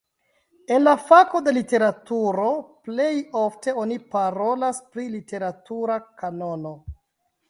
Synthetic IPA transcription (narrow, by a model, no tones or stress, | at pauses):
e̞nlafako̞de̞lite̞ɾatuɾo̞ple̞jo̞fte̞o̞nipaɾo̞laspɾilite̞ɾatuɾakano̞no̞